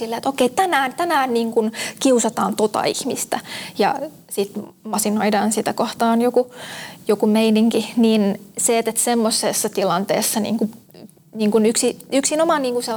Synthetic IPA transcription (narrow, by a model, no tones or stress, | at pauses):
silːeːt̪okeit̪ænæːnt̪ænæːnniːŋkunkiusɑt̪ɑːnt̪ot̪ɑ̰ḭhmist̪æjɑ̰ | sit̪ | mɑsinoidɑːnsit̪ækoht̪ɑːnjokujokumeiniŋkiniːnseːt̪et̪semːosesːɑt̪ilɑnt̪ḛːsːɑnḭːŋku | niːŋkunyksiyksinomɑniːŋkuse